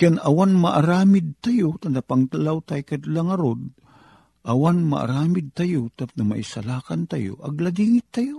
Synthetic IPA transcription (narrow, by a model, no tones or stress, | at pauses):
kɛnɐwanmɐʔaɾaːmɪd̪̚t̪ajot̪and̪apaŋt̪alawt̪ajkad̪laŋɐɾod̪̚ | ʔɐwanma̰ʔa̰ɾaːmɪd̪̚t̪ajot̪ap̚nɐma̰ʔɪsalaːkant̪ajo̰ʔɐ̰ɡlad̪iːŋɪt̪ːajo